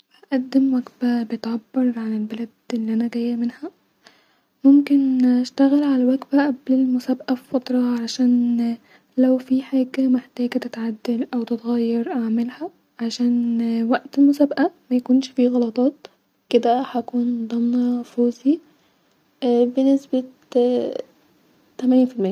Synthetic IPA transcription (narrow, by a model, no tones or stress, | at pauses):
bæʔæd̪ːemwæɡbæbet̪ʕabːɑɾˤʕanelbælæd̪elːiʔænæɡæjːæmenhæ | momkenʔæʃt̪æɣelʕalæwæɡbæʔæblelmʊsæːbʔæffɑt̪ˤɾˤɑʕalæʃæːn | læwfiħeːɡæmeħt̪æːɡæt̪et̪ʕad̪ːælʔæwt̪ɪt̪ɣæjːɑɾˤʔaʕmalhæ | ʕaʃæːnwæʔt̪elmosæːbʔæmæjækuːnʃfiːɣɑlɑt̪ˤɑːt̪ | ked̪æhækuːnd̪ˤɑmnɑfoːzi | benesbe | t̪ːæmæniːnfilmejːæ